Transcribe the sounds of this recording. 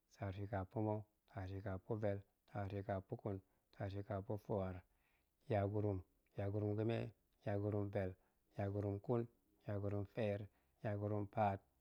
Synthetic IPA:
sa˨ɾsi˨ka˨pu˦mo˦ | tʰa˨si˨ka˨pu˦ve˨l | tʰa˨si˧ka˨pu˦ku˦n | tʰa˨si˧ka˨po˦fo˦˨a˨ɾ | ja˨ɡu˧ɾu˧m | ja˨ɡu˨ɾu˦mɡi˦mḛ˦ | ja˨ɡu˨ɾu˧mve˨l | ja˨ɡu˨ɾu˨mku˦n | ja˨ɡu˨ɾu˨mfe˦ɾ | ja˨ɡu˨ɾu˧˦mpa˦t̚

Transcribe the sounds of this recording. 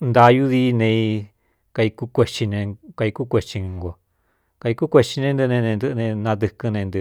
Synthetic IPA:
nd̪a˧ju˦ði˧˦nẽ˧i˧ | ka˧i˧ku˧kʷe˧t͡ʃi˧nẽ˧ka˧i˧ku˦kʷe˧t͡ʃi˧ŋɡo˨ | ka˧i˧ku˦kʷe˧t͡ʃi˧nẽ˧nd̪ɨ˧nẽ˧nẽ˧nd̪ɨ˧ʔnẽ˧nã˧d̪ɨ˧kɨ˧nẽ˧nd̪ɨ˧

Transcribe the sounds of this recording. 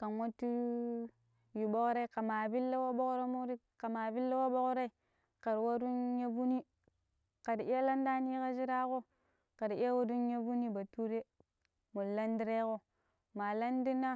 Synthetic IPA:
ka˨nwo˦tu˦ | ju˨bo˦kɾa˦i˦ka˨ma˨vi˦lːa˦wa˦bo˦kɾa˦mu˦ɾi˦ | ka˨ma˨vi˦lːa˦wa˦ɓo˦kɾa˦i˦ | ka˨ɾwa˦ɾu˦nja˦vu˦ni˦ | ka˨di˨i˦a˦la˦nda˦ni˦ka˦d͡ʒi˦ɾa˦ko˦ | ka˨di˦ja˦wa˦du˦nja˦vu˦ni˦ba˨tu˦ɾe˦ | mu˨la˦ndi˦ɾe˦ko˦ | ma˨la˦ndi˦na˦

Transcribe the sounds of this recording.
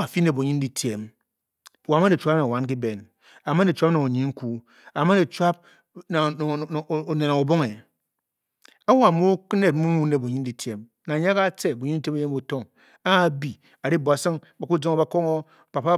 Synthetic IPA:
a˨fi˦ne˨bo˨ɲi˦n̩˦di˨tʰje˨m˨ | wa˨ma˦ne˨t͡ʃʷa˦na˨wa˦nk̬i˦be˨n | a˨ma˦e˨t͡ʃʷa˦pna˨o˨ɲi˨˦ŋ̩˦ku˦ | a˨ma˦ne˨t͡ʃwa˦p̚ | na˨o˨ne˨na˨o˨bo˦ŋe˨ | a˦wa˨mo˦ne˨t̚m̩˦mu˦mu˦ne˨bo˨ɲi˦n̩˦di˨tje˨m | na˨ɲa˦ka˦t͡se˦˨bo˨ɲi˦n̩˦te˦m˦e˦je˦m˦o˨to˦ŋ | a˦˨bi˨ | a˨ɾi˦bo˨a˨sɨ˦ŋba˨ku˦d͡zo˦ŋ˦ba˨ko˦ŋo˦ | pa˨pa˦

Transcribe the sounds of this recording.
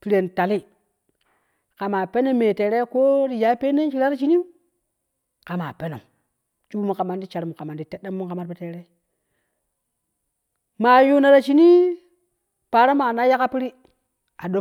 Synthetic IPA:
pi˦ɾe˨nta˨li˦ | ka˨ma˨pe˦ne˦me˨te˨ɾe˦ko˦ɾi˨ja˨˦pe˦ne˦n˦t͡ʃi˨la˦ɾa˦t͡ʃi˦ni˦ | ka˨ma˨pe˦no̰˨ | t͡ʃu˦bu˦mu˨ka˨ma˨ndi˦t͡ʃa˨ɾmu˨ka˨ma˨n˦di˨te˦ɗːe˦mːu˦ka˨ma˦ɾpe˦te˨ɾe˦ | ma˨ju˦na˨ɾa˨t͡ʃi˦ni˦ | pa˨ɾa˦ma˨na˦ja˦ka˦pi˦ɾi˦ | a˨do˦

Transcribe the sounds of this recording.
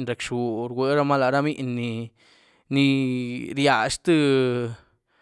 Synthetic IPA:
nɾe˨kʂu˨ɾɡʷwe˨˦ɾa˦ma˦la˨ɾa˦mi˦ʔnːi˧ | ni˧ɾja˨ʂt̪ɨ˦

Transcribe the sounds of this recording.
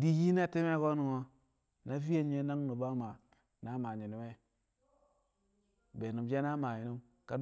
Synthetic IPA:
di˦ji˦na˦˨ti˦me˦ɡo˦nu˨ŋo˦ | na˦vi˦je˦ɲ˦e˦na˦ŋnu˨ba˦ma˨ | na˨˦ma˨ɲi˨nu˨˦me˦ | be˨nu˨md͡ʒe˦na˦ma˨ɲi˨nu˦m | ka˦

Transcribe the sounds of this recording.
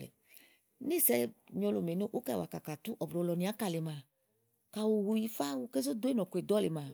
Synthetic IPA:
lḛ˨˦ | ni˦sɛ˧˦ɲo˧lo˨me˨no˦ʔu˦kɛ˦˨wa̰˨ka˨ka˨tu˦ʔɔ˨bɾo˨˦lɔ˨nĩ˨a˨˦ka˧˨le˨ma˨ | ka˨wo˨wu˧ji˧fa˦wu˨˧ke˦zo˦do˦e˦nɔ˨kʷe˨dɔ˦le˨ma˨

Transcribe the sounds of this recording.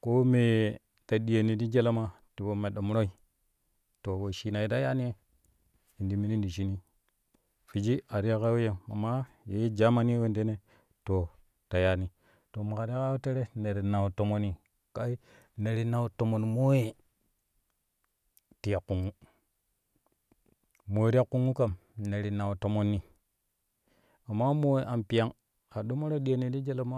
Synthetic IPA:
ko˦me˨ | ta˨ɗi˨je˨ni˨di˦d͡ʒe˦la˦ma˦ | ti˨bo˨me˨ɗo˨m˦ɾo˦i˨ | to˨wo˨ʃi˦na˨i˨˦ta˦ja˦ni˦e˦ | i˨di˨mi˨ni˦ndi˨ʃi˦ni˦ | fi˨d͡ʒi˦a˨ɾi˦ja˦ka˦wo˦je˨a̰˨ma˦ | je˨˦d͡ʒa˦ma˦ni˦e˦we˦˨nde˦ne˦ | to˨ | ta˨ja˦ni˨ | to˨mu˨ka˨ɾi˦a˦ka˦wo˦te˦ɾe˦ne˨ɾi˨na˨wu˨to˨mo˦ni˨ | ka˦i˦ | ne˨ɾi˦na˨wu˨to˨mo˨nmo˦je˦ | ti˨ja˨kːu˨ŋu˦ | mo˨ɾi˦a˦kːu˦ŋu˦ka˨mne˨ɾi˨na˨wu˨to˨mo˦nːi˨ | a˨mːa˦mo˦we˨ʔa˨mpi˨a˦ŋ | a˨ɗo˦mo˦ɾa˦ɗi˦e˨ni˨ɾi˦d͡ʒe˦la˨ma˦

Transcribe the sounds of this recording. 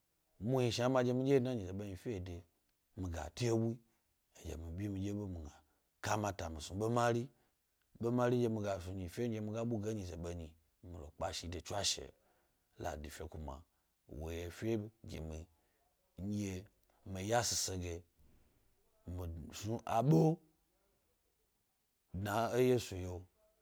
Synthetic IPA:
mu˦ji˧ʃa˦ma˧d͡ʒe˧mi˦d͡ʒe˦na˦ɲi˨ze˨ɓe˦ɲi˧fʲe˦e˨de˨ | mi˨ɡa̰˨tu˦je˦bu˦i˦ | e˨d͡ʒḛ˨mi˨bʲi˦mi˨d͡ʒe˦be˦mi˨ɡa˨ | ka˦ma˧ta˨mi˨su˨ɓe˦ma˦ɾi˦ | be˦ma˦ɾi˦d͡ʒe˧mi˧ɡa˨su˨ɲi˨fʲe˦d͡ʒe˧mi˧ɡa˦ɓu˦ɡe˦ɲi˧˨ze˨ɓe˦ɲi˨ | mi˨lo̰˨k͡pa˨ʃi˧˨de˨t͡ʃu˦a˦ʃḛ˨ | la̰˨di˨fʲe˦ku˨ma̰˨ | wo̰˨je˨fʲe˦bɡʲḛ˨mi˨ | ɲ˦e˨ | mi˨ja˦si˨se˧ɡe˨ | mi˨su˦ʔa˨ɓo˦ | dna˨e˦je˦su˨jo˦

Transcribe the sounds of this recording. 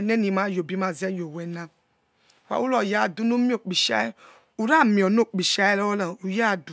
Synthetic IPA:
nɛ˦nĩ˨ma˨˦jo˨bi˦ma˨zi˦ɛ˦jo˨wɛ˨nã˦˨ | wa̰˨wu˦lɔ˨ja˦˨du˦nu˦mi˦o˨k͡pi˨ʃa̰˦ɛ˦ | u˨ɾa˦˨mĩ˨ɔ˨n˦o˦˨k͡pi˨ʃa˦jɛ˦lwɔ˦la˨u˨ja˦˨du˨

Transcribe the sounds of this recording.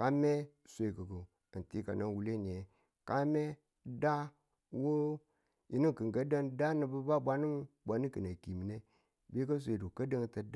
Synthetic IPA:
ka˦me˦ | sʷe˨kə˨ɡə˨ | ti˦ka̰˨na˦wu˨le˦˨n˨e˨˦ | ka˦me˦ | da˦ | wo˦ | ji˨ni˦˨kɨ˨ŋɡə˦də˦ŋda˦nə˨bə˦ba˦bʷa˦ni˦mba˨ni˦kɨ˨na˨ki˨mi˨ne˦ | be˦kə˦s̬ʷe˨du˨kə˦də˦ŋ˦tə˨d

